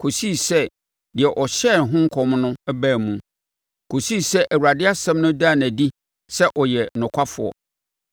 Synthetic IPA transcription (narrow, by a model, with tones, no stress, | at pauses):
kʰo˨si˦˨sɛ˦ | dɪ˨ɛ˨ʔɔ˨ɕɛ˦˨n˨ɦʊ̃˦ŋ̩˦kʰɔ˨m˦nʊ̃˦æ˦bæː˦˨mũ˨ | kʰo˨si˦˨sɛ˦ʔæ˨wu˨ɾa˨dɪ˦a˦sɛ̃˦mnʊ̃˦da˦˨næ˨di˦ | sɛ˦ʔɔ˨jɛ˨nʊ̃˨kʷʰa˦fʊ˨ɔ̰˨